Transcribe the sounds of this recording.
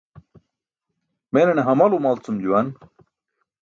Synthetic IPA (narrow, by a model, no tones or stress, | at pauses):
menɐneɦɐmɐlumalt͡sumd͡ʑuwan